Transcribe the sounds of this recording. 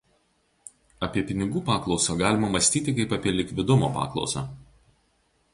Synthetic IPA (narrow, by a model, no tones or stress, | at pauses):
ɐpʲiɛpʲɪnʲɪɡuːpɑːklˠɒʊsoɡɑːlʲɪmɐmɐsʲt̪ʲiːt̪ʲɪkɐɪpɐpʲiɛlʲɪkʋʲɪd̪ʊmo̰ːpɑ̰ːklˠɒ̰ʊsa̰